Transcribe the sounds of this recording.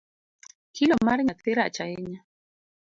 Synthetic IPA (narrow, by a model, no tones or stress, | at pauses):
kʰilomaɾɲat̪eɾat͡ʃaeɲa